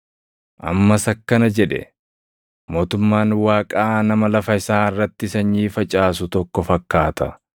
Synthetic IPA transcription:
ʔɐ̰mːɐsɐkːɐnɐd͡ʒɛᶑɛ̰ | mo̞ːt̪ʊmːaːnwaːkʼaːnɐmɐlɐfɐɪsaːɪrːɐt̪ːɪsɐɲːiːfɐt͡ʃʼaːs̬ʊt̪ɔkːɔfɐkːaːt̪ɐ

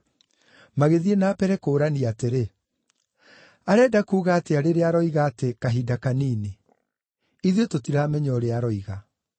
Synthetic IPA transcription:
maɣeðienaːpɛɾɛkoːɾaniateɾe | aɾɛːdakuːɣaːteaɾeɾeaɾɔiɣaːtekaɦidakaniːne | iðetotiɾaːmɛɲɔɾeaɾɔiɣa

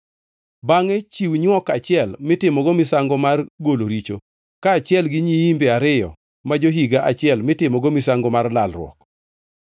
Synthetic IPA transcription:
baŋɛt͡ʃiwɲwɔkat͡ʃɪɛlmɪtɪmɔɡomɪsaŋɡɔmarɡoloɾit͡ʃo | kaːt͡ʃɪɛlɡɪɲiimbeaɾɪjɔ̰ | mad͡ʒoɦiɡaʔat͡ʃɪɛlmɪtɪmɔɡomɪsaŋɡɔmarlalrwɔ̰k

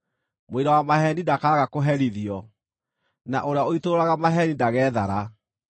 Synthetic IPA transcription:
mweɾawamaɦɛnidakaːɣakoɦɛɾiðiɔ | na̰ʔoɾeaoitoɾaɣamaɦɛnindaɣɛða̰ɾa

